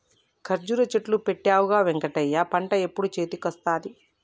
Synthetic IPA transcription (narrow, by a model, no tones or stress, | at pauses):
kʰɐɾd͡ʒuɾɐt͡ʃeʈlupeʈːaːwuɡaːʋeŋkɐʈɐjːaːpɐɳʈɐepːuɽut͡ʃe̞ːt̪ikɐst̪aːd̪i